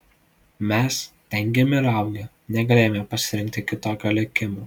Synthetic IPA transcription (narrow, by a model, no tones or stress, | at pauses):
mʲɛst̪ʲɛŋʲɡʲemʲɪɾɐˑʊɡʲɛ | nʲɛɡɐlʲeːjomʲɛpɐsʲɪɾʲɪŋʲk̚ʲt̪ʲɪkʲɪt̪oːkʲoːlʲɛkʲɪmuː